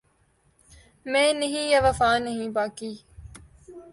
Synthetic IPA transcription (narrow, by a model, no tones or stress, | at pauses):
mẽːnɐɦĩjɐʋɐfaːnɐɦĩːbaːkiː